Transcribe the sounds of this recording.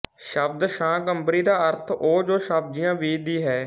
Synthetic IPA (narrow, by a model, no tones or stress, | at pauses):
ʃəbd̪ʃãːkəmbɾiːd̪aːəɾt̪ʰoːd͡ʒoːʃəb̚d͡ʒɪjãːʋiːd̪iːɦɛː